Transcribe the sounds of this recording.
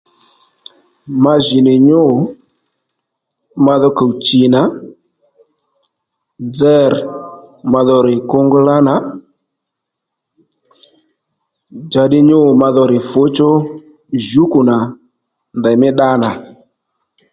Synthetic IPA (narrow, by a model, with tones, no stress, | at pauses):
ma˦ʒi˨nɪ˨ɲo˦˨ | ma˧ðɔ˦ka˨u˨t͡ʃi˨na˨˦ | d͡zɛ˦r | ma˧ðɔ˧ɾɪ˨ko˦ŋɡʊ˦la˦na˨˦ | d͡ʒa˨ɗɪ˦ɲo˦˨ma˧ðɔ˧ɾɪ˨fo˨˦t͡ʃo˦ | ʒu˦ku˨na˨ | nda˨mɪ˦ɗa˦na˨